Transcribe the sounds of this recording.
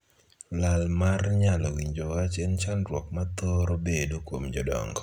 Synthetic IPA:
lalmarɲalɔwiɲd͡ʒowat͡ʃɛnt͡ʃanɾwɔk̚mat̪ɔɾobedokwomd͡ʒɔdɔ̰ŋɡɔ

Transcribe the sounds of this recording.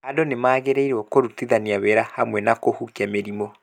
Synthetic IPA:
adonemaːɣeɾeiɾeɔkoɾutiðaniawɛɾahamwɛnakohukiameɾimo

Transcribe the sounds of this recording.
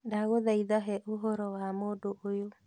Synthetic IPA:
daɣoðaiðaɦɛʔoɦoɾɔwamodoojo

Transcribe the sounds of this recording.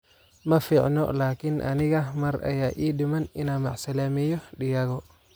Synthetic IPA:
mɐfiʕnɔ̰laːkɪnʔɐ̰nɪɣɐmɐɾɐ̰jaːʔiːɗɪmɐnɪnaːmɐʕsɐlɐmijɔɗɪjɐɣɔ

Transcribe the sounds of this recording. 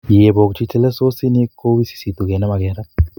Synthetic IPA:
jeːboːk̚t͡ʃʰit͡ʃɐlɐsoːsineːkːoːʋisi̥sit̪uɡenɐmɐɡɛːɾɐ

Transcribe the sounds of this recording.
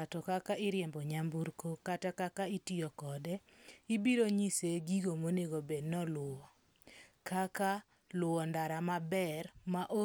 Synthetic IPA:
atɔkakaʔɪɾjɛmbɔɲambuɾkokatakakaitiɔkɔdɛ | ibiɾoɲiseɡiɡomoneɡobednɔlʊɔ | kaka | lʊwɔndaɾamabɛɾmaʔo

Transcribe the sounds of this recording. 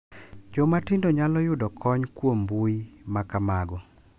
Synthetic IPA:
d͡ʒɔmatɪndoɲalɔjʊdɔkʰɔɲkwombuimakamaɡɔ

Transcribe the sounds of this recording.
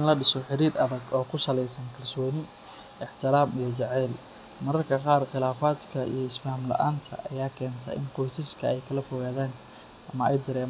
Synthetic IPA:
nlɐɖɪsɔħɪɾiːɾɐðɐɡɔːkʰʊsɐlɛjsɐnkʰɐlsɔːnɪ | ɪħt̪ʰɪɾaːmijɞt͡ʃɛʕɛːl | mɐɾɐrkʰɐqɑːrχɪlaːfaːd̪kʰɐḭjɞɪsfɐhmlɐ̰ʔa̰ːnt̪ʰɐ̰ʔɐjaːkʰɛːnt̪ʰɐ̰ʔɪ̰nqɔjsɪskʰɐɛjkʰɐlɐfɔɣaːðaːn | ʔɐmɐɛ̰jd̪ɐɾɛːm

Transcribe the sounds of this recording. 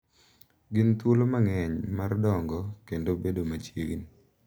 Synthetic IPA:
ɡɪnt̪wolomaŋɛɲmardɔŋɡɔkendobedomat͡ʃjḛɡḭn

